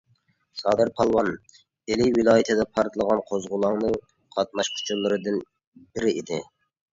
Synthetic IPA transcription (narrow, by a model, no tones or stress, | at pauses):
sɑːd̪ɨɾpʰɑlˠwɑn | elɪwilˠɑːjit̪ʰɨd̪ɛpʰɑɾt̪lˠəʁɑnqʰozʁʊlˠɑŋnɨ | qʰɑt̪̚mɑʃkʲʰy̥t͡ʃʰulˠːɨɾɨd̪ɨn | bɪɾɪid̪ɪ